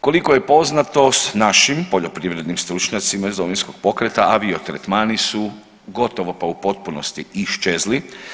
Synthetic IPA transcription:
ko̞liko̞je̞po̞znat̪o̞snaʃimpo̞ʎo̞pɾiʋɾe̞d̪nimst̪ɾut͡ʃɲat̪simaizloʋinsko̞ɡ̥̚po̞kɾet̪aʔaʋiot̪ɾḛt̪maːnisu | ɡot̪o̞ʋopaupo̞t̪̚puno̞st̪iiʃt͡ʃezli

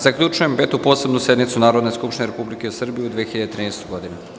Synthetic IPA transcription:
z̥akʎʲut͡ʃuje̞mpet̪upo̞ːse̞bnusje̞d̪nit̪sunaːɾod̪neskupʃt̪ineɾepublikeusr̩bijiud̪ʋiexiʎad̪et̪ɾiːnɛst̪ojɡo̞d̪inu

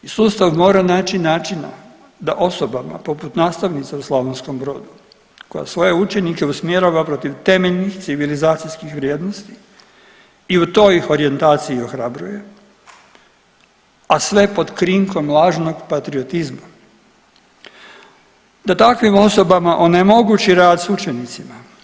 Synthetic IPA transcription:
isuːst̪aʋmo̞ːɾanaːt͡ʃinaːt͡ʃina̰ | d̪aʔo̞so̞bama̰po̞put̪naːst̪aʋnit̪sauslˠaʋonsko̞mbɾo̞ːd̪u | koja̰sʋo̞je̞ut͡ʃe̞nike̞usmje̞ɾaʋapɾo̞t̪iʋt̪e̞meʎʲnixt̪siʋilizaːt̪sijskixʋɾʲjeːd̪no̞st̪i | iut̪o̞ːixo̞ɾie̞nt̪aːt̪siio̞xɾabɾṵje̞ | asʋe̞po̞d̪kɾiŋko̞mlˠaːʒno̞ɡpat̪ɾiot̪izma | d̪̥at̪akʋimo̞so̞bamaʔo̞nemo̞ɡut͡ʃiɾaːd̪sut͡ʃe̞nit̪sima

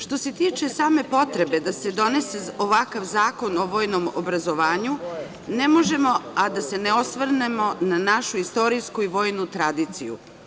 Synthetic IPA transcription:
ʃt̪o̞se̞t̪iːt͡ʃe̞saːme̞po̞t̪ɾe̞be̞d̪ase̞d̪o̞ne̞se̞oʋakaʋzaːko̞no̞ʋo̞ːjno̞mo̰bɾazo̞ʋaːɲu | nemo̞ʒe̞mo̞ad̪ase̞neo̞sʋr̩nemo̞nanaʃuist̪o̞ɾijskuiʋo̞ːjnut̪ɾad̪iːt̪sḭjṵ

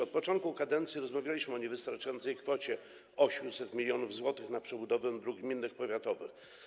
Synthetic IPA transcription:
ɔt̪̚pɔt͡ʂɔ̃nt̪̚kukad̪ɛnt̪sʲjiɾɔzmavʲjalʲiɕmɘɔɲɛvɘst̪aɾt͡ʂajɔnt̪sɛjkfɔt͡ɕɛ | ɔɕmsɛt̪mʲilʲjɔnuvzwɔt̪ɘxnapʂɛbud̪ɔvɛnd̪ɾuɡɡmʲinːɘxpɔvʲjat̪ɔvɘx

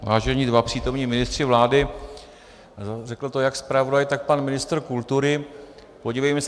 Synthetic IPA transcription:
vaːʒɛɲiːdvapr̥iːt̪o̞mɲiːmɪnɪst̪r̝̥ɪvlaːdɪ | rɛkl̩t̪ojakspɾavo̞dajt̪ak̚panmɪnɪst̪r̩kult̪uɾɪ | po̞ɟiːvɛjmɛs

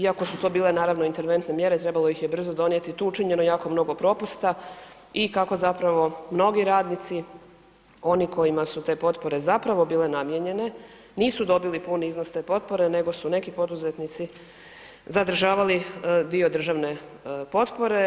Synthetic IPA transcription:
iako̞sut̪obiːle̞naːɾaʋnoint̪eɾʋe̞nt̪ne̞mje̞ɾet̪ɾe̞balˠo̞jixjebr̩zo̞d̪o̞nje̞t̪it̪uːut͡ʃiɲe̞no̞jaːko̞mno̞ɡo̞pɾo̞pust̪a | ikako̞zapɾaʋo̞mno̞ɡiɾaːd̪nit̪si | o̞niko̞jimasut̪e̞ːpo̞t̪po̞ɾe̞zapɾaʋo̞biːle̞namjeɲe̞ne̞ | niːsud̪o̞bilipuniiznost̪e̞ːpo̞t̪po̞ɾe̞ne̞ɡo̞sune̞kipo̞d̪uzet̪nit̪si | zad̪ɾ̩ʒaːʋalid̪io̞d̪r̩ʒaʋne̞ | po̞t̪po̞ɾe̞

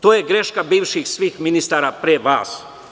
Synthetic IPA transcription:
t̪oːjeɡɾeʃkabiːʋʃixsʋiːxminist̪aːɾapɾeʋa̰ːs

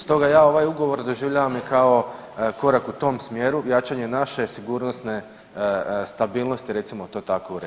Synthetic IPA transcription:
st̪o̞ɡajaːo̞ʋajuɡo̞ʋo̞ɾd̪o̞ʒiʋʎaʋamjikao̞ | ko̞ɾakut̪o̞msmjeːɾujat͡ʃaɲe̞naʃe̞siɡuɾno̞st̪ne̞ | st̪abiːlˠno̞st̪iɾe̞t̪simo̞t̪o̞ːt̪akouɾe

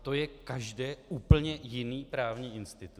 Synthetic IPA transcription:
t̪o̞jɛkaʒdɛːʔuːpl̩ɲɛjɪniːpɾaːvɲiːʔɪnst̪ɪt̪u̥

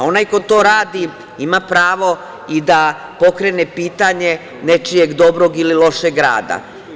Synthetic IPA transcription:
o̞najko̞t̪o̞ːɾaːd̪i | imapɾaːʋo̞ | id̪a | po̞kɾenepiːt̪aɲe̞ | ne̞t͡ʃijeɡd̪o̞bɾo̞ɡililo̞ʃeɡɾa̰ːd̪a̰

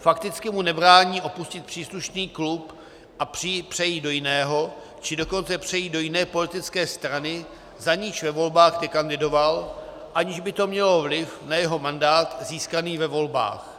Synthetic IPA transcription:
fakt̪ɪt͡skɪmunɛbɾaːɲiːʔo̞puscɪt̪̚pr̥iːsluʃniːklup | ʔapr̝̥ɪpr̥ɛjiːdo̞jɪnɛːɦo̞ | t͡ʃɪdo̞ko̞nt͡sɛpr̝̥ɛjiːdo̞jɪnɛːpo̞lɪt̪ɪt͡skɛːst̪ɾanɪ | zaɲɪʃvɛvo̞lbaːxt̪ɛkandɪdo̞val | ʔaɲɪʒbɪt̪o̞mɲɛlo̞vlɪfnajɛɦo̞mandaːt̪ziːskaniːvɛvo̞lba̰ːx

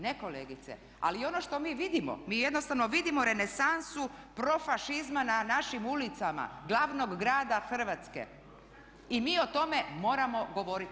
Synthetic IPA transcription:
neko̞leːɡit̪sḛ | a̰lio̞no̞ʃt̪o̞miːʋid̪imo̰miːjed̪nost̪aʋnoʋid̪imo̞ɾe̞ne̞sansupɾo̞faʃizmananaʃimulit̪sama̰ɡlˠaʋno̞ɡːɾaːd̪axr̩ʋat̪skḛ | imiːo̞t̪o̞me̞mo̞ːɾamo̞ɡo̞ʋoɾit̪

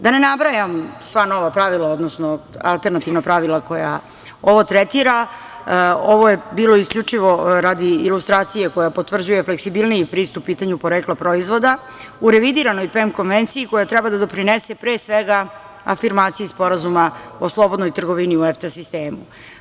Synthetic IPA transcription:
d̪anenabɾajamsʋano̞ʋapɾaʋilˠaod̪nosnoa̰lˠt̪e̞ɾnat̪iʋnapɾaʋilˠako̞ja̰ | o̞ʋo̞t̪ɾɛt̪iɾa | o̞ʋo̞je̞biːlo̞iskʎʲut͡ʂiʋo̞ɾad̪iilust̪ɾaːt̪sijeko̞japo̞t̪vr̩d͡ʑujefleksibilˠnijipɾiːst̪upːiːt̪aɲupo̞ɾeklˠapɾo̞izʋo̞d̪a | uɾeʋid̪iɾano̞jpemko̞nʋent̪siiko̞jat̪ɾɛbad̪ad̪o̞pɾinesepɾeːsʋeɡa | a̰fiɾmaːt̪sijispoɾazumaoslˠo̞bo̞d̪nojt̪r̩ɡo̞ʋiniueft̪asist̪eːmu

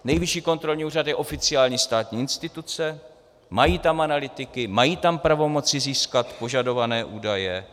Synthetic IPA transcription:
nɛjvɪʃiːko̞nt̪ɾo̞lɲiːuːrat̪jɛʔo̞fɪt͡sɪaːlɲiːst̪aːt̪ɲiːɪnst̪ɪt̪ut͡sɛ | majiːt̪amanalɪt̪ɪkɪmajiːt̪ampɾavo̞mo̞t͡sɪziːskat̪po̞ʒado̞vanɛːʔuːdajɛ

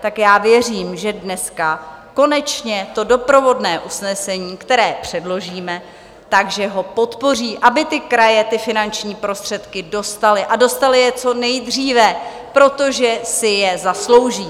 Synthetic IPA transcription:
t̪akjaːvjɛr̝iːmʒɛdnɛska | ko̞nɛt͡ʃɲɛt̪o̞do̞pɾo̞vo̞dnɛːʔusnɛsɛɲiːkt̪ɛɾɛːpr̝̥ɛdlo̞ʒiːmɛ | t̪aɡʒɛɦo̞po̞t̪po̞r̝iːʔabɪt̪ɪkɾajɛt̪ɪfɪnant͡ʃɲiːpɾo̞st̪r̝̥ɛt̪kɪdo̞st̪alɪʔado̞st̪alɪjɛt͡so̞nɛjd̪r̝iːvɛ | pɾo̞t̪o̞ʒɛsɪjɛzaslo̞wʒiː

